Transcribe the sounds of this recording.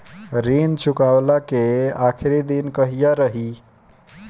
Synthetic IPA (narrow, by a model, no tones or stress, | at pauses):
ɾint͡ʃʰukawlakeakʰɾed̪inkəɦijaɾəɦi